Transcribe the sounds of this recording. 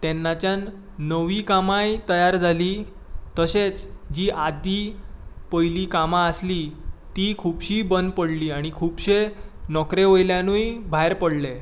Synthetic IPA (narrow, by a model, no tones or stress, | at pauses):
t̪ɛnːat͡ɕjanː | əʋiːkamajt̪əjaɾd͡zʱaliː | t̪əɕet͡sd͡ʑiːʔad̪ipəjliːkamaəslit̪iːkʰuːpɕiːbənd̪pəɽliːaɽ̃ikʰuːpɕenɔkɾeʋojljanũjbʱajɾpəɽle